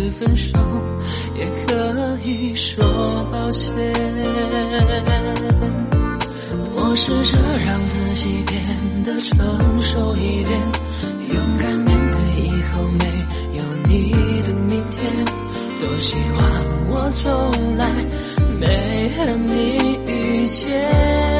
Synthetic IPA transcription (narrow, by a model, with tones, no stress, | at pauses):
fə˧nʂo˥ŋ | jɛ˨˩kʰə˧˦i˧˩ʂwɔ˧pɑ˧ʊɕʰɛ˧ | wɔ˨˩ʂ̩˥˧ʈ͡ʂə˧˩ɻɑ˧ŋt͡sɹ̩˥˧t͡ɕi˨˩p̪jɛ˧˩nd̪ə˨ʈ͡ʂʰɤ˧˦ŋʂo˧ʊi˧t̪jɛ˧˩n | jʊ˧˥ŋka˧˥nmi˧˥ŋke˧˩ɪi˧˥xo˧ʊme˧˥ɪ | jo˨˩ʊni˧˩d̪ə˨mi˧˥nt̪ʰjɛ˧˥n | t̪o˧˥ʊɕy˧˥wɑ˧˩ŋwɔ˨˩˦t͡so˨˧ʊŋla˧˥ɪ | me˧˥ɪɪə˧˩ni˧˥y˧˩t͡ɕjɛ˥